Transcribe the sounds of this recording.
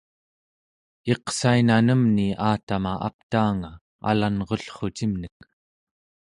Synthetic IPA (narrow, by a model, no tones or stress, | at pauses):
e̞qsainanəmniaːt̪amaʔa̰p̚t̪aːŋa | a̰lanʁo̞ɬχo̞t͡ʃimnək̚